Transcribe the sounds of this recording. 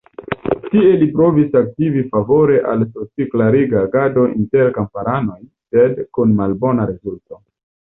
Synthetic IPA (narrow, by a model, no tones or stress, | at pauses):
tie̞lipɾo̞visak̚tivifavo̞ɾe̞ʔalsot͡siklaɾiɡaːɡado̞ʔinte̞ɾkampaɾano̞jse̞dkunmalbo̞naɾezulto̞